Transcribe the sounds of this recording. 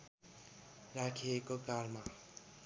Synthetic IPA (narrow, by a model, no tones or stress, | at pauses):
rakʰiekokarma